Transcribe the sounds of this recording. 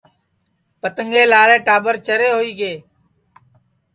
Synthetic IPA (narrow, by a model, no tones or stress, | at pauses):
pət̪əŋɠeːlaːɾẽːʈaːbəɾt͡ʃəɾeːɦoːiːɡeː